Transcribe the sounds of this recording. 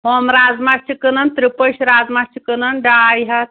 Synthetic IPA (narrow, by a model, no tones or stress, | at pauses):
ɦomɾad͡zmast͡ʃʰikənɐnt̪ɾipəʃɾazmat͡ʃʰikənɐnɖajɦɐt̪